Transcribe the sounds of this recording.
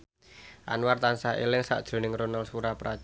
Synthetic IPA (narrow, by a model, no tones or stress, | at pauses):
ʔa̰nwart̪ansaʔḛlɪŋsa̰ʔd̥ʒ̥ɾo̤nɪŋronalsuɾapɾa